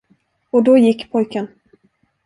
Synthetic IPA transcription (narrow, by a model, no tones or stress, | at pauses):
ɔd̪ɔjɪkːpʰɔjkən